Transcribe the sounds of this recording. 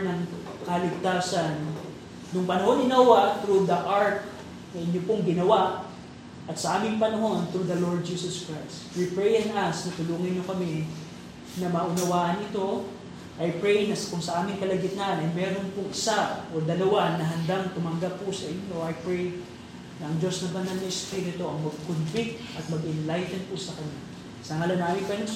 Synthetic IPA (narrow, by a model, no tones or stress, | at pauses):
nɐŋkɐlɪɡ̚t̪aːsɐnː | ʊŋpɐnɐho̞nɪnɐwat̪ɾud̪ɐʔaɹt̪̚ | nɐʔɪɲjopoŋɡɪnɐwaʔ | ʔɐt̪sɐʔaːmɪŋpɐnɐɦo̞nt̪ɾud̪ɐlo̞ɹd̪̚d͡ʒiːsoskɹajst̪wipɹɛjɪnɐsnɐt̪ʊluːŋɪnːokɐmɛ | nɐmɐʔʊnɐwaːʔɐnʔɪt̪o̞ | ʔɐjpɹɛjnɐskʊŋsɐʔaːmɪŋkɐlɐɡɪt̪anɐjmɛːɾonpʊŋɪsaʔo̞d̪ɐlɐwanɐɦɐnd̪aŋt̪ʊmɐŋɡapːʊsɐʔɪɲɲo̞ʔɐjpɹɛj | nɐʔɐŋd͡ʒo̞snɐbɐnɐlnɐɪspiɾɪt̪oɐŋmɐɡ̚konvɪk̚t̪ʔɐt̪̚mɐɡʔɪnlajt̪ɛnpʊsɐkɐɲa | sɐŋɐlanaːmɪŋpɐn